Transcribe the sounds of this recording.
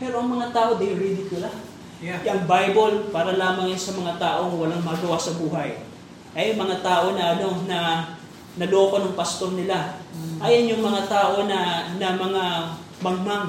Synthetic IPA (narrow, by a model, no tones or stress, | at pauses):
pɛɾoɐŋmɐŋat̪aːʔo̞d̪ɐɾid̪ɪkʊla | ɐŋbajbolpaːɾɐlaːmɐŋjansɐmɐŋat̪aːʔo̞ŋwɐlaŋmɐɡɐwasɐbuːɦaj | ʔɐjʊŋmɐŋat̪aːʔo̞nɐʔɐno̞nɐ | nɐlopɐnɐŋpɐst̪o̞ɾnɪlaʔajɐnjʊŋmɐŋat̪aːʔo̞nɐnɐmɐŋa | mɐŋmaŋ